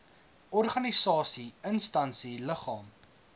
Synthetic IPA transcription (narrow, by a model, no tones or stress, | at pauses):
ʔɔrχɐnisɑːsiənstɐnsiləχɑːm